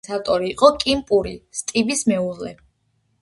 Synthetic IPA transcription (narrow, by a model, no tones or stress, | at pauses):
sat̪ʼɔɾiːqʼɔkʼimpʼuɾist̪ʼibismɛuzlɛ̰